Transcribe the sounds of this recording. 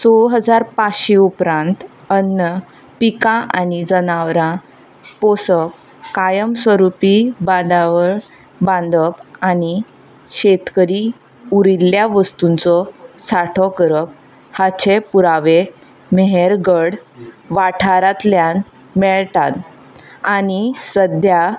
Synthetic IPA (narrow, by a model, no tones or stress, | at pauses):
sɔɭɦəd͡zaɾpaɕeupɾãnt̪ | ənːə | pikãʔanid͡zənaʋɾã | posəp | kajəmsʋəɾupibãd̪aʋəɭ | bãnd̪əpañi | ɕet̪kəɾi | uɾilːjaʋəst̪unt͡sɔsaʈʰɔkəɾəp̚ | hat͡ɕʰepuɾaʋe | meɦeɾɡəɽ | ʋaʈʰaɾat̪ljan | mɛɭt̪at̪ | anisəd̪ʱja